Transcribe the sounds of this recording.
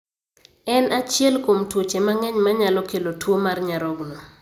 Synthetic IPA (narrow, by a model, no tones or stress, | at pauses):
ɛnat͡ʃjɛlkomtwot͡ʃemaŋɛɲmaɲalɔkelotwomarɲaɾɔɡnɔ